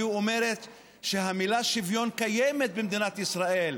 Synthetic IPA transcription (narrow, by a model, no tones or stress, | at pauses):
uome̞ʁe̞t̪ | ʃeɦamilaʃivjo̞nkajeme̞t̪̚bemd̪inat̪isʁaʔe̞l